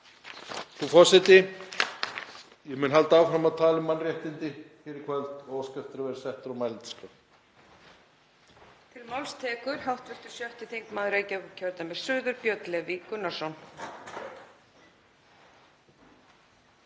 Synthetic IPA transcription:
θufɔ̥sɪt̪ɪ | jɛmʏːnɦalt̪aawfɾamaðt̪ʰaːlɪmːanrjɛht̪ɪnt̪ɪfɪɾɪɾkʰvɛlt̪ɔskɛft̪ʏɾavɛɾɪsɛht̪ɾawmaːjlɪnt̪ɪ̥ska | t̪ʰɪlmawlst̪ʰɛːkʏɾ̥hawht̪vɛst̪ʏ̥sjœht̪ɪθejŋkmaːðʏɾeːjcaʏcʰœɾt̪amɛɾ̥sʏːðʏɾpjœt̪lɛvikʏnːḁsɔwn

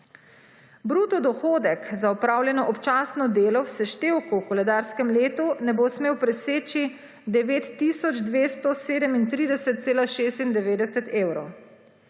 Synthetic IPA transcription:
bɾuːt̪ɔd̪ɔxoːd̪ɛkzaɔpɾaːwljɛnɔʔɔpt͡ʃaːsnɔd̪eːlɔwsɛʃt̪eːwkuwkɔlɛd̪aːɾskɛmleːt̪unɛbosmeːwpɾɛseːt͡ʃi | d̪ɛʋeːt̪ːisɔd͡ʒd̪ʋeːst̪ɔseːd̪ɛmint̪ɾiːd̪ɛsɛt̪̚t̪seːlaʃeːst̪ind̪ɛʋeːd̪ɛsɛt̪eːwɾɔw

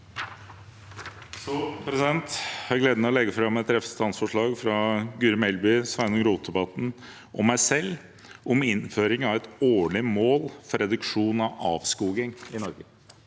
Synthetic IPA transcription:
sɔpʰɾɛsɪd̪ɛnt̪hɑɾɡleːd̪nməɛɔlɛɡəfɾɑmɛt̪ːɾɛfə̥st̪ɑnsfɔʂɭɑːɡfɾɑɡʉːɾmɛlbʏsʋæɪnɔmɾuːt̪d̪ɛbɑt̪n̩ | ʔɔmːæɪsɛl | ɔmɪnføːɾɪŋɑʋɛt̪oːɭɪmoːlfɔɾɛd̪ʉkʂuːnɑʋɑ̰ːʋskuːɡɪŋɪnɔɾɡə

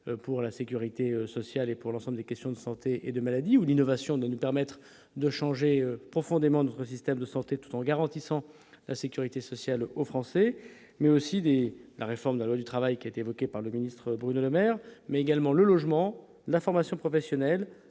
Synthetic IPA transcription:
puʁlasekʲyʁit̪eøsɔsjalepuʁlɑ̃sɑ̃bləd̪ekʲɛst̪jɔ̃d̪əsɑ̃t̪eʔed̪əmalad̪iulinɔvasjɔ̃d̪wanupɛʁmɛt̪χ | d̪əʃɑ̃ʒeøpχɔfɔ̃d̪emɑ̃nɔt̪χəsist̪ɛmd̪əsɑ̃t̪et̪u̥t̪ɑ̃ɡaʁɑ̃t̪isɑ̃ | lʔasekʲyʁit̪esɔsjalofχɑ̃sɛ | mɛosid̪elaʁefɔʁmd̪əlalwad̪yt̪χavajkʲiaet̪eːvɔkʲepaʁləminist̪χəbʁynoləmɛʁmɛeɡalmɑ̃ləlɔʒmɑ̃ | lafɔʁmasjɔ̃pχɔfɛsjɔnɛl

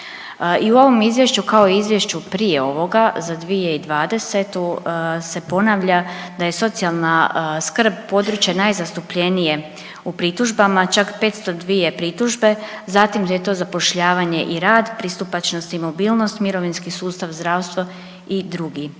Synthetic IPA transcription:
iuo̞ʋo̞mizʋje̞ʃt͡ɕukao̞iizʋje̞ʃt͡ɕupɾije̞o̞ʋo̞ɡazad̪ʋieid̪ʋaːd̪e̞se̞t̪use̞po̞naʋʎad̪aje̞so̞t̪sialˠnaskr̩b̚po̞d̪ɾut͡ɕjanajzast̪upʎe̞nije̞ | upɾit̪uʒbamat͡ʃakpe̞ːt̪st̪o̞d̪ʋije̞pɾit̪uʒbe̞zat̪imjet̪o̞ːzapo̞ʃʎaːʋaɲe̞ʔiɾaːd̪pɾist̪upat͡ʃnost̪imo̞biːlˠno̞st̪miɾo̞ʋinskisuːst̪aʋzd̪ɾaːwst̪ʋo | id̪ɾuɡi

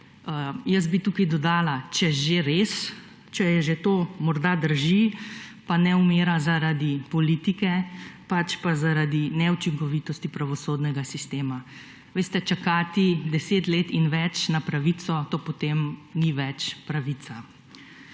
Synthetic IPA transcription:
jəs̬bit̪ukad̪ɔd̪aːlat͡ʃɛʒeɾes | t͡ʃɛjɛʒet̪oːmɔɾd̪ad̪əɾʒipanɛumeːɾazaɾad̪ipɔlit̪ikɛpat͡ʃpazaɾad̪inɛut͡ʃiŋkɔʋit̪ɔst̪ipɾaʋɔsoːd̪nɛɡasist̪eːma | ʋeːst̪ɛt͡ʃakat̪id̪ɛseːt̪leːt̪inʋɛt͡ʃnapɾaʋit̪sɔt̪oːpɔt̪eːmniʋɛt͡ʃpɾaʋit̪sa

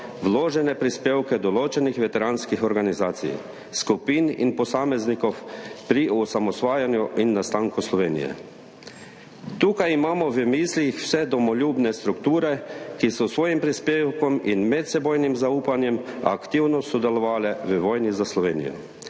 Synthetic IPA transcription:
ʋloːʒɛnɛpɾispeːwkɛd̪ɔloːt͡ʃɛnixʋɛt̪ɛɾaːnskixɔɾɡanizaːt̪sḭj | skupiːnḭnpɔsaːmɛznikɔwpɾiɔsamɔsʋaːjanjuʔinːast̪aːŋkuslɔʋeːnḭjɛ̰ | t̪uːkajimaːmɔʋəmiːslixw̥sɛd̪ɔmɔlʲuːbnɛst̪ɾukt̪uːɾɛkisɔsʋoːjimpɾispeːwkɔminmɛt̪sɛboːjnimzauːpanjɛma̰kt̪iwnɔsɔd̪ɛlɔʋaːlɛʋəʋɔːjnizaslɔʋeːnḭjɔ̰

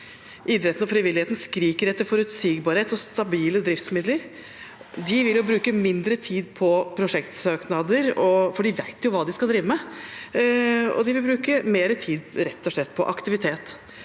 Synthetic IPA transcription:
ʔɪd̪ɾɛt̪n̩ɔfɾɪʋɪlɪheːt̪n̩skɾiːkəɾɛt̪ːəɾfɔɾʉt̪siɡbɑːɾəheːt̪ɔst̪ɑbiːləd̪ɾɪft̪smɪd̪ləɾ | d̪ɪʋɪljʊbɾʉːkəmɪnd̪ɾət̪ʰiːd̪̚pʰɔpʰɾʊʂɛkt̪søːknɑd̪əɾɔfɔɖɪʋæɪt̪jʊʋɑːd̪ɪskɑld̪ɾiːʋəmɛ | ɔ̰d̪ɪʋɪlbɾʉːkəmeːɾət̪ʰiːd̪ɾɛt̪ːɔʂɭɛt̪ːpʰɔʔɑkt̪ɪʋɪt̪ʰeːt̪

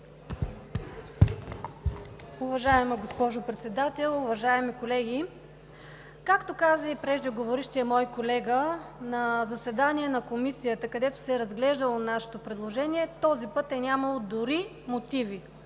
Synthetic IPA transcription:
ʊvɐʒaɛməɡospɔʒopɾɛt̪sɛd̪at̪ɛlˠʊvɐʒaɛmikolɛɡi | kakt̪okazəipɾɛʒd̪iɡovoɾiʃt̪ɛɛmɔjkolɛɡənɐzɐsɛd̪aniɛnɐkomisijət̪əkɐd̪ɛt̪o̥sɛɾɐzɡlɛʒd̪əlˠonaʃɛ̥t̪opɾɛd̪lˠoʒɛniɛt̪ɔzipɤt̪ɛnʲamɐlˠod̪ʊɾi | mot̪ivi

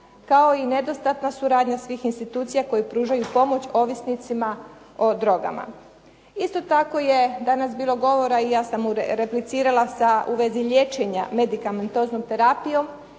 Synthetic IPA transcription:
kao̞ine̞d̪o̞st̪at̪nasuɾaːd̪ɲasʋiːxinst̪it̪uːt̪sijako̞jipɾuːʒajupo̞mo̞t͡ɕo̞ːʋisnit̪sima | o̞d̪ɾo̞ɡa̰ma̰ | ist̪o̞t̪ako̞je̞d̪anasbiːlo̞ɡo̞ʋo̞ɾaijaːsamuɾeplit̪siːɾalˠasaʔuʋe̞ziʎe̞t͡ʃeɲame̞d̪ikame̞nt̪o̞ːznomt̪e̞ɾapijo̞m

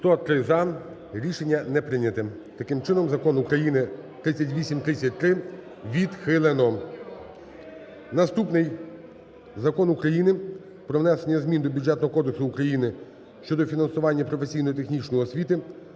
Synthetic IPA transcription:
st̪ɔt̪ɾɪzɑn | ɾʲiʃe̞nʲːɐnɛpɾɪnʲɐt̪ɪ | t̪ɐkɪmt͡ʃɪnɔmzɐkɔnukɾɐjinɪt̪ɾɪt͡sʲːɐtʲʋʲisʲimt̪ɾɪt͡sʲːɐt̚ʲt̪ɾɪ | ʋʲid̪xɪlˠenɔ | nɐst̪upnɪj | zɐkɔnʊkɾɐjinɪ | pɾɔʋnɛsenʲːɐzmʲind̪ɔbʲud̪d͡ʒɛt̪nɔɦɔkɔd̪eksʊːkɾɐjinɪ | ʃt͡ʃɔd̪ɔfʲinɐnsʊʋɑnʲːɐpɾɔfe̞sʲijnɔjit̪e̞xnʲit͡ʃnɔjiɔsʲʋʲit̪ɪ

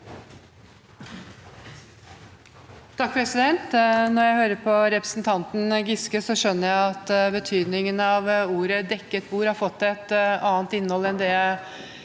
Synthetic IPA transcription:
t̪ʰɑk̚pʰɾɛsɪd̪ɛnt̪nɔɾjæɪhøːɾəpʰɔɾɛpɾəsn̩t̪ʰɑnt̪n̩ɡɪskəsɔʂœnːəɾjæɪɑt̪bət̪ʰyːd̪nɪŋənɑʋuːɾəd̪ɛkːət̪̚buːɾɑɾfɔt̪ːɛt̪ɑːnt̪ɪnːhɔlːɛnd̪ɛ

